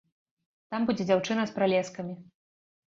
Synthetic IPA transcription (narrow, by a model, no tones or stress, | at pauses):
t̪ambud͡zʲɛd͡zʲawt͡ʂɨnɐspɾalʲɛskɐmʲi